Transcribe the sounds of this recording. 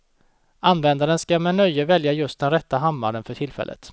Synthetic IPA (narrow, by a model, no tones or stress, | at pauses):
ʔanvɛnd̪aɾənskamɛnœjːəvɛljajɵst̪̚d̪ɛnɾɛt̪ːaɦamːa̰ɾənfœʈʰɪlfɛ̰lːə̰t̪